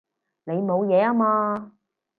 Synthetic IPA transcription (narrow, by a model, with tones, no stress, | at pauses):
ne˨˧jmo˨˧wjɛː˨˧aː˥maː˧